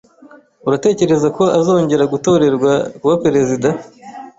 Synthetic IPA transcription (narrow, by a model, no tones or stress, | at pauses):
uɾate̞ːce̞ɾe̞zako̞azo̞ːɲɟe̞ɾaɡuto̞ɾe̞ɾɡwakuwape̞ɾe̞zida